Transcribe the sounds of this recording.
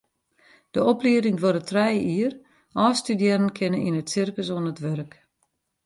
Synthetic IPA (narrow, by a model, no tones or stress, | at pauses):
d̥əɔpliədɪŋʋoɾətʰrɛjiər | ʔɔːstydjɛnənkʰɪnənḭnətsɪrkəsoənətʋørk